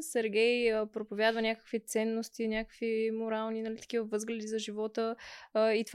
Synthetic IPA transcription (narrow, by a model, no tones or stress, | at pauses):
sɛɾɡʲɛjpɾopovʲjad̪vənʲakə̥kvit̪sɛnːost̪inʲakə̥kvimoɾalˠninɐlit̪ə̥k̟ʲivəvɤzɡlɛd̪izɐʒivɔt̪əit̪